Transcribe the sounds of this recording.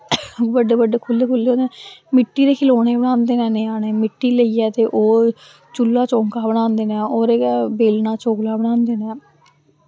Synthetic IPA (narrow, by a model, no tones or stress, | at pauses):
bəɖeːbəɖeːkʰʊlːeːkʰʊlːeoːnd̪enɛmɪʈːiːɾeːkʰɪloːneːbəɽ̃ãːnd̪eːnɛ̃ːnẽːaːneːmɪʈːiːləiːɛːt̪eːʔoː | t͡ʃʊlːaːt͡ʃõːŋkaːbəɽ̃ãːnd̪eːnɛ̃ːoːɾeːɡɛːbeːlnaːt͡ʃoːklaːbəɳãːnd̪eːnɛ̃ː